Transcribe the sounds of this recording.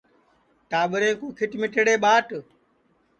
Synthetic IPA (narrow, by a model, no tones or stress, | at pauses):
ʈaːɓəɾẽːkuːkʰɪʈmɪʈeɽeːɓaːʈ